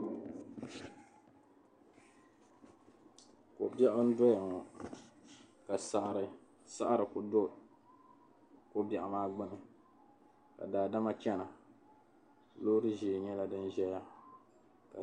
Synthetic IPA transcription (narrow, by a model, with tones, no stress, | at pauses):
ko̰˨bɛ˦ʔʊ˦n̩˦dɔ˦ja˨ŋɔ˨ | ka˨sa˨ʔɾɨ˨ | sa˦ʔa˦ɾɨ˨kʊ˨do˦ | ko˦bɛ˨ʔʊ˨maː˦ɡ͡bɨ˦nɨ˨ | ka̰˨daː˨da˦ma˦t͡ʃɛ˦na˨ | loː˦ɾɨ˦ʒeː˨ɲɛ˦la˦dɨ˦nʒɛ˦ja˦ | ka˨